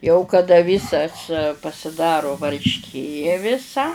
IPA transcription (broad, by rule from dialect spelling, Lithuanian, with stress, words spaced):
jɛʊ kɐˈdɐ ˈʋʲiːsɐs pɐsʲɪˈdɑːrʊ ʋɐrʲʃʲˈkʲeː ʋʲɪˈsɐ